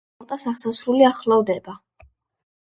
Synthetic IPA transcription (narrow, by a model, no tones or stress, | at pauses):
t̪ʼasaχsasɾuliaχlˠavd̪ɛba